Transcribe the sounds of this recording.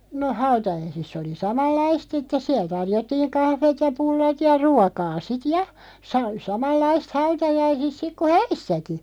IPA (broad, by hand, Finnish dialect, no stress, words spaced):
no hɑutɑjɑisisː oli sɑmɑlːɑist sitːes siæl tɑrjotːiːŋ kɑhʋeːt jɑ pulːɑt jɑ ruɑkɑː sit jɑ sɑ sɑmɑlːɑist hɑutɑjɑisis sik ku hæisːæki